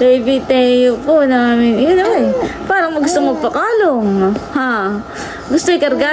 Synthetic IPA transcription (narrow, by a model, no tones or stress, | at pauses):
d̪ɐɪbit̪ɛjoponaŋaːmɪnjnoɛpaːɾɐŋmɐɡʊst̪oŋmɐɡ̚pɐkaːloŋha | ɡʊst̪oɪkɐɾɡaː